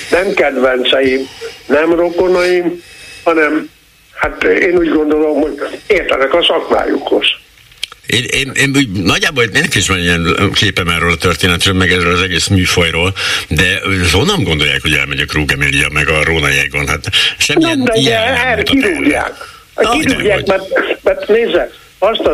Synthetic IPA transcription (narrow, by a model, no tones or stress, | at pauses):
nɛmkɛd̪vɛnt̪sɛjimnɛmrokonɒjimhɒnɛm | hat̪eːnuːɟɡond̪olo̞mhoɟeːrt̪ɛ̰nɛkɒsɒkma̰ːjṵkoʃ | eːneːneːnuːɟnɒɟːaːboleːnkːiʃmɛniɛnkeːpɛmɛrøːlɒt̪ørt̪eːnɛt̪røːlmɛɡɛrøːlɒzɛɡeːsmyːfojroːld̪ɛo̞nːɒŋɡo̞nd̪oja̰ːkho̞ɟɛ̰lmɛɟɛkruːɡɛmilijɒ̰mɛɡɒɾoːnɒjɛɡonɦat̪ʃɛmːiɛnd̪ɛijɛɛut̪iɾuːa̰ːk | kiɾuːɡa̰ːmɛmɛneːzɛk | ɔʃt̪ɒ